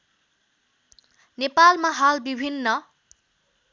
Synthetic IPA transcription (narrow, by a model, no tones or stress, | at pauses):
nepalmaɦalbibʱinːʌ